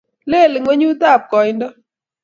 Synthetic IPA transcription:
le˦˨lɪ˨ŋwe˦ɲu˦ta˦˨p̚kɔ˨˦ndɔ˦

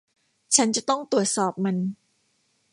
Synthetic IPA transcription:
t͡ɕʰa˦˥nt͡ɕa˨˩t̪ɔ˥˩ŋt̪u˨˩ət̪̚sɔː˨˩p̚ma˧n

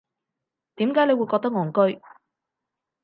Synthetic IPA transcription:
t̪iː˨˥mkaː˨˥jne˨˧wu˨˧jkɔː˧k̚t̪ɐ˥k̚ŋɔː˨˩ŋkɵ˥ɥ

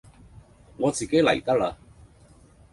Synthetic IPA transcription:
ŋɔː˨˧t͡siː˨ke˨˥jlɐ̰˨˩jt̪ɐ˥la˧

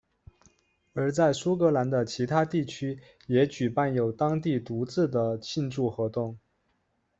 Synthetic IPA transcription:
ə˞˧˥t͡sa˥˩ɪsu˥kɤ˧˥la˧˥nd̪ə˧t͡ɕʰi˧˥t̪ʰa˥t̪i˥˩t͡ɕʰy˥ | jɛ˧˥t͡ɕy˨˩pa˥˩njo˨˩ʊt̪ɑ˥ŋt̪i˥˩t̪u˧˥t͡sɹ̩˥˩d̪ə˩t͡ɕʰi˥˧nʈ͡ʂu˥˩xwɔ˧˥t̪ʊ˥˩ŋ

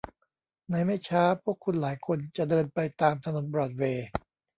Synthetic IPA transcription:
na˧jma˥˩jt͡ɕʰaː˦˥pʰu˥˩əkʰːu˧nlaː˩˦jkʰo˧nt͡ɕa˨˩ʔdɤː˧npa˧jt̪aː˧mt̪ʰa˧no˨˩˦nbɾɔː˨˩t̪̚weː˧

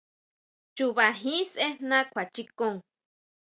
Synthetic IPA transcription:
t͡ʃu˨βa˨ɦĩ˦sʔe˦nã˦kʷʰa˨t͡ʃi˦kõ˦ŋ

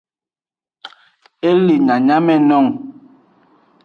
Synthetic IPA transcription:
e˦li˨ɲa˨ɲa˦mɛ˨nɔ˦˨ŋ

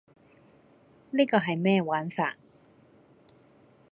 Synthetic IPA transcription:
liː˥kɔː˧ɦɐ˨jmɛː˥waː˨˥nfa̰ː˧t̚

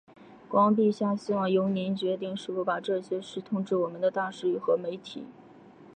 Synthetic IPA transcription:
kwɑ˥ŋp̬i˥˧ɕja˥˩ɕi˥wɑ˥˩ŋjo˧˥ʊnɛ˧˥nt͡ɕɥɛ˧˥t̪̬i˥˧ŋʂɻ̩˥˩fu˧˩pa˨˩ʈ͡ʂɤ˥˩ɕjɛ˥ʂɻ̩˥˩t̪ʰʊ˥˧ŋʈ͡ʂɻ̩˥˩wɔ˨˩mə˦nd̪ə˧t̪a˥˧ʂɻ̩˥˧y˥˩xɤ˧˥me˧˥ɪt̪ʰḭ˨˩˦

